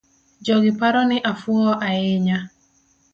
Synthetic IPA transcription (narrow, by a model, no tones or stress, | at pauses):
d͡ʒɔɡɪpaɾɔnɪʔafʊɔʔaɪɲa